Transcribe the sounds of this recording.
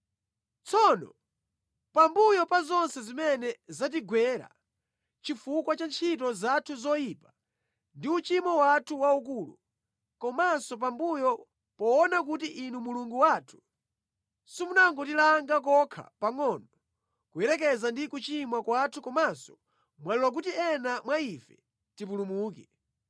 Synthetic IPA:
t͡sʰɔnɔ̰ | pambujɔpazɔnsɛzimɛnɛzat̬iɡwɛɾa̰ | t͡ʃifukwat͡ʃant͡ʃʰitɔzatʰuzɔjiːpa | ndiut͡ʃimɔwatʰuwaukuːlu | kɔmasɔp̬ambujɔ | pɔːnak̬utiʔinumuluŋɡuwaːtʰu̥ | sumunaŋɡɔtilaŋɡak̬ɔkʰa̰paŋɔnɔ | kuɛɾɛk̬ɛzandikut͡ʃimwakwatʰukɔmasɔ̥ | mwalilwak̬utiɛnamwaifɛ | tipulumuːkɛ

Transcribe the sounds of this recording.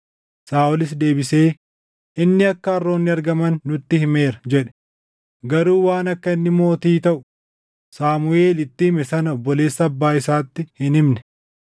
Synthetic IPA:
saːʔʊlɪs̬d̪e̞ːbɪseː | ɪnːɪɐkːɐɐrːo̞ːnːɪɐɾɡɐmɐnːʊt̪ːɪhɪme̞ːɾɐd͡ʒɛᶑɛ̥ | ɡɐɾuːwaːnɐkːɐɪnːɪmo̞ːt̪iːt̪ɐʔʊ̥ | saːmʊe̞ːlɪt̪ːɪhɪmɛsɐnɐɔbːɔle̞ːsːɐːbːaːɪsaːt̪ːɪhɪnɪmnɛ̥

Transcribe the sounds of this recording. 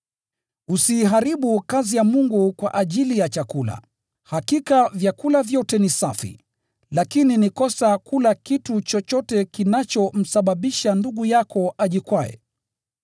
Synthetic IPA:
usiːɦaɾiɓukazijamuŋɡukwa̰ʔaʄilijat͡ʃakula̰ | hakikavjakulavjɔtɛnisafḭ | lakininikɔsakulakitut͡ʃɔt͡ʃɔtɛkinat͡ʃɔm̩saɓaɓiʃanduɠujakɔaʄikwajɛ̰

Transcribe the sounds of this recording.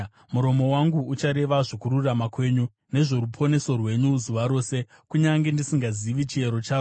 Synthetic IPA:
muɾo̞mo̞waŋɡuut͡ʃaɾe̞ʋaʐokuɾuramakwe̞ɲu | ne̞ʐo̞ɾupʰo̞ne̞so̞rwe̞ɲuzuʋaɾo̞ːse | kuɲaŋɡe̞ndisiŋɡaziʋit͡ʃie̞ɾo̞t͡ʃaːo

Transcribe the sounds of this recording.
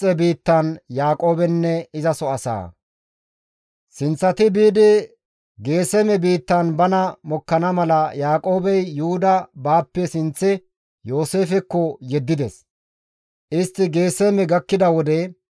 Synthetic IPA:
ɛbiːt̪ːɐnjaːkʼo̞ːbɛnːɛɪzɐsɔɐsa̰ː | sɪnt͡sːɐt̪ɪbiːd̪ɪ | ɡe̞ːsɛmɛbiːt̪ːɐnbɐnɐmɔkːɐnɐmɐlɐjaːkʼo̞ːbɛjːʊʊd̪ɐbaːpːɛsɪnt͡sːɪ | jo̞ːse̞ːfɛkːɔjɛd̪ːɪd̪ɛs | ʔɪst̪ːɪɡeːsɛmɛɡɐkːɪd̪ɐwɔd̪ɛ

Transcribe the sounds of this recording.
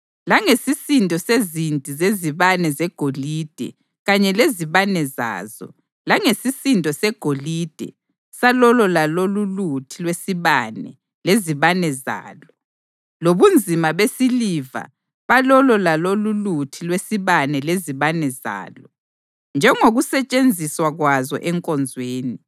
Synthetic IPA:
laŋesisintʼɔsezintʼizeziβanɛzɛɡ̥ʱolid̥ʱɛ̰ | ɣaɲɛleziβanɛza̰ːzɔ̰ | laŋesisintʼɔsɛɡ̥ʱolid̥ʱɛ̰ | salɔlɔlalolulutʰilwesiβanɛ̰ | leziβanɛza̰ːlɔ | loβund͡zʱimaβesiliva̰ | βalɔlɔlalolulutʰilwesiβanɛleziβanɛza̰ːlɔ | nd͡ʒʱɛŋoɣusɛt͡ʃʼend͡zʱiswaɣwazɔ̰ʔɛŋkʼɔnd͡zʱweːni

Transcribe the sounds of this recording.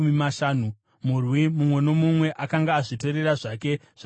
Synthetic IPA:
mimaʃaːnu | murwimumwe̞no̞mumwe̞ʔakaŋɡaːʐito̞ɾe̞raʐake̞ | ʐ̥a

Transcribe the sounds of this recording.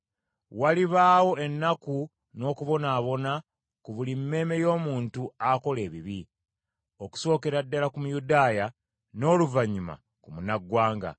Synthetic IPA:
waliβaːwo̞e̞nːaku | no̞ːkuβo̞naːβo̞na | kuβulimːe̞ːme̞jo̞ːmuːntuako̞le̞ːβiβi | o̞ku̥so̞ːke̞ɾadːalakumujudaːja | no̞ːluvaɲːuma̰ | kumunaɡːwaːŋɡa̰

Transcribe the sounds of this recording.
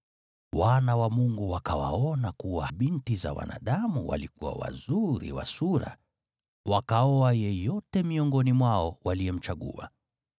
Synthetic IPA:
wanawamuŋɡuwakawa̰ɔnakuwaɓintiza̰wa̰naːɗamuwa̰likuwa̰wa̰zuɾḭwa̰suɾa̰ | wakaɔajɛjɔtɛmiɔŋɡɔnimwaɔwaliɛm̩t͡ʃaɠṵa̰

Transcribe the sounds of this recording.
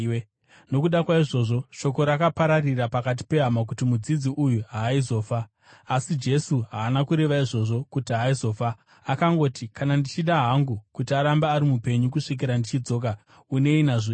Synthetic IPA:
no̞kuɗakwaiʐo̞ːʐo̞ʃo̞ko̞ɾakapaɾarirapakat̬i̥pe̞ɦamak̬utimud͡zid͡ziʔujuɦaːizo̞ːfaː | sid͡ʒe̞suɦaːnakuɾe̞ʋaiʐo̞ʐo̞kutiɦaizo̞fa | akaŋɡo̞ːtikanandit͡ʃiɗaɦaŋɡukutiaɾambaːɾimupe̞ɲukuʂik̬iɾandit͡ʃid͡zo̞ːk̬a | une̞inaʐo

